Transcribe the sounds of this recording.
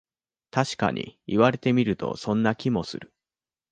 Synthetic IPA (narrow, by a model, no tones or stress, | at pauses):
t̪aɕi̥ka̰ɲ̟ʔḭiβaɾe̞t̪e̞mʲiɾɯ̟t̪o̞̰sõ̞nːakʲimo̞sɨ̰ɾɯ̟